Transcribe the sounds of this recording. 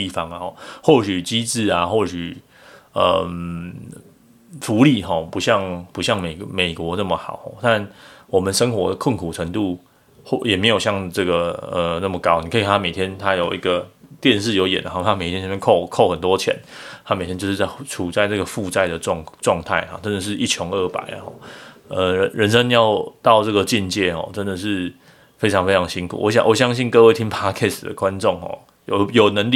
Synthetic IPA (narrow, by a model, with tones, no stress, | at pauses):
t̪i˥˩fɑ˧ŋɔ˨˩xwɔ˥˩ɕy˨˩t͡ɕi˥t͡sɹ̩˥˩a˨xwɔ˥˩ɕy˨˩ | ə̰˧m | fu˧˥li˥˧xɔ˥˩pu˧˥ɕjɑ˥˧ŋpu˧˥ɕjɑ˥˩ŋme˨˩ɪme˨˩ɪkwɔ˧˥na˥˩mə˩xɑ̰˨˩ʊxɔ̰˥˧˩t̪a˥˧nwɔ˨˩mə˨nʂə˥ŋxwɔ˧˥d̪ə˧kʰʊ˥˩nkʰu˨˩ʈ͡ʂʰə˧˥ŋt̪u˥˧ | xo˥˩jɛ˨˩me˧˥ɪjo˨˩ʊɕjɑ˥˧ŋʈ͡ʂɤ˥˩ɡə˩ə˨˩na˥˩mə˩kɑ˥ʊni˨kʰə˧˥i˨k̪ʰa˧˥me˨˩ɪt̪jɛ˦˥nt̪ʰa˥jo˨˩ʊʔḭ˧˥ɡə˧t̪jɛ˥˧nʂɻ̩˥˩jo˧ʊjɛ˨˩n̰˨˧˦xt̪ʰa˥e˨˩t̪ʰjɛ˥nɕʰkʰo˥˨ʊkʰo˥˩ʊxə˨˩nt̪wɔ˦t͡ɕʰjɛ̰˧˦nt̪ʰa˦˥me˨ɪtʰjɛ˥t͡ɕjʂɻ̩˥˧˩a˥˩ʈ͡ʂʰu˨˩t͡sa˥˧ɪʈ͡ʂə˥˩ɡə˩fu˥˧t͡sa˥˩ɪd̪ə˩ʈ͡ʂɑ˥˧ŋʈ͡ʂwɑ˥˧ŋt̪ʰa˥˩ɪxɔ̰˨˩ʈ͡ʂə˦˥nd̪ə˨˩ʂ̬ɻ̩˥˧ʔi˥˩t͡ɕʰjɔ˧˥ŋə˥˩pa̰˨˩˦ɪ̰˩xɔ̰˥˩ə˨ə˧ɻə˧˥nʂə˥ŋjɑ˥˧ʊt̪ɑ˥˧ʊʈ͡ʂɤ˥˩ɡə˩t͡ɕi˥˧nt͡ɕjɛ˥˩xɔ̰˥˨˩ʈ͡ʂə˦nd̪ə˨˩ʂɻ̩˥˧ | fe˥ɪʈ͡ʂʰɑ˧˦ŋfe˥ɪʈ͡ʂʰɑ˧˥ŋɕi˥nkʰṵ˨˩wɔ˧˦ɕjɑ̰˨ŋwɔ˨˦ɕjɑ˦˥ŋɕi˥˩nkɤ˥˧we˥˩ɪt̪ʰi˥ŋpʰa˥kʰɛ˥˩sd̪ə̰˩kwa˦nʈ͡ʂɔ˥˩ŋxɔ̰˨˩ | jo˨˩jo˨˩ʊnə˧˥ŋli˥˨